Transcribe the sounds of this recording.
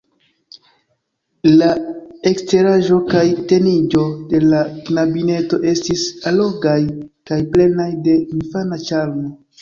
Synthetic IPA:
lae̞kste̞ɾaʒo̞kajte̞nid͡ʒo̞de̞laknabine̞to̞ʔe̞stisalo̞ɡajkajple̞najde̞infanat͡ʃalmo

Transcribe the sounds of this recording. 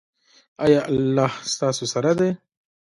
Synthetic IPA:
ajɑʔalːɑhst̪ɑːsosaɾad̪e

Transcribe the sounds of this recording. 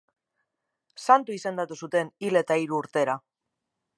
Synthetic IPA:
sant̪uise̞nd̪at̪usut̪e̞nile̞t̪aiɾuːɾt̪e̞ɾa

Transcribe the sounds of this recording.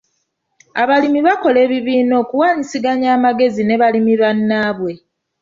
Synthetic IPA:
aβalimiβako̞le̞ːβiβiːno̞ːkuwaːɲisiɡaɲaːmaɡe̞zine̞βalimiβanːaːβwe̞

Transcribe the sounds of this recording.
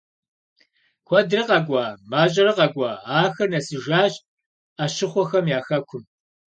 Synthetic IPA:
kʷʰɔdrɐqɐɡʷɑːmaːɕʼɐɾɐqɐɡʷɑːaːxɐnɐsɨʒaːɕ | aːɕɪχʷɔxɐmjaːxɐkʷʰʊm

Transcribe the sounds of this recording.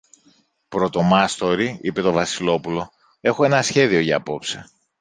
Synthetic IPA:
pɾo̞t̪o̞mɐst̪o̞ɾiipe̞t̪o̞vɐsilo̞pulo̞ | e̞xo̞e̞nɐsçe̞ðio̞ʝɐːpo̞pse

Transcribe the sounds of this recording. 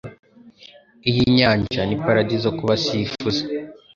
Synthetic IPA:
ijiɲaːɲʒanipaɾaɟizokuβasifuze

